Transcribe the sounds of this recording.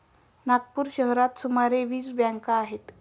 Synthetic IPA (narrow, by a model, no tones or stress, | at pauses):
naɡ̚puːɾɕəɦɾat̪sumaɾeʋiːsbjãŋkaːɦet̪